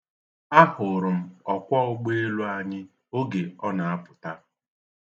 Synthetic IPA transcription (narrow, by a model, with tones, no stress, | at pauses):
a˦hʊ˨ɾʊ˨m̩˦ɔ˨kʷɔ˦ʊ˦ɡ͡be˦e˦lu˦a˨ɲɪ˦ | o˦ɡe˨ɔ˦na˨a˦pʊ˨ta˦